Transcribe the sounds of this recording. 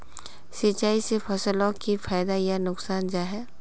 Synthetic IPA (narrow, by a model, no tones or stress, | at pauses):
sɪt͡ʃaːisefʰɐsəlɔ̃kifaːjd̪ajanʊksaːnd͡ʒaːɦɛː